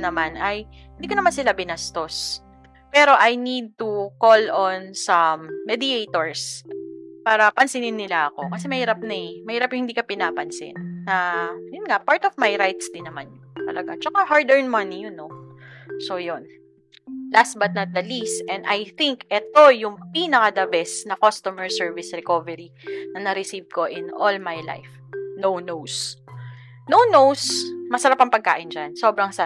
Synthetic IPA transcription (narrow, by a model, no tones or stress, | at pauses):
nɐmanɐj | hɪnd̪iːkɐnɐmansɪlabɪnast̪o̞s | pɛɾo̞ʔajnid̪̚t̪ukolonsɐmːɛd̪ɪejt̪oɹs | paːɾɐpɐnsɪnɪnːɪlaʔɐko̞kɐsɛmɐhiːɾɐp̚nɐjmɐhiːɾɐpjʊŋhɪnd̪iːkɐpɪnaːpɐnsɪ̰nːɐjʊnŋapaɹt̪ɔvmajɾajt̪sd̪ɪnːɐmanjʊt̪ɐ̰lɐɡa̰t͡ʃɐkahaɹd̪ɛɹnmɐnijʊno | sojon | last̪̚bɐt̪̚nɐt̪̚d̪ɐlist̪ʔɛnd̪ʔɐjθiŋkʔɛt̪o̞jʊŋpinɐkɐd̪ɐbɛsnɐkost̪omɛɹsɛɹvɪsɾɛkovɛɾinɐnɐɾɪsiv̚ko̞ʔɪnʔolmajla̰jf | nownows | nownowsmɐsɐɾapɐŋpɐɡ̚ka̰ːʔɪnd͡ʒanso̞bɾɐŋsɐ